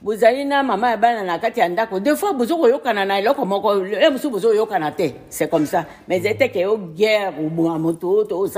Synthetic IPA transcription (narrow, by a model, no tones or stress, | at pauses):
buzalinamamaabananakatijandakodefwabuzokojokananaelɔkɔmɔkɔbusobozojokanatɛ | sɛkɔm̩sa | mɛzɛtɛkɛjoɡɛkoboamototos